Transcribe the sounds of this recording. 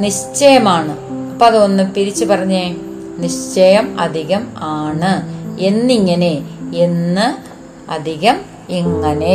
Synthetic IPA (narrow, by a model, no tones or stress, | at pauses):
niɕt͡ɕɐjɐmaːɳɨɐpːoɐðɨonːɨpiɾit͡ɕːupɐrɐɲːe | niɕt͡ɕɐjɐmɐ̰d̪ʱiɣɐmaːɳɨenːiŋːɐne̞enːɨ | ɐd̪ʱiɣɐm | eŋːɐne̞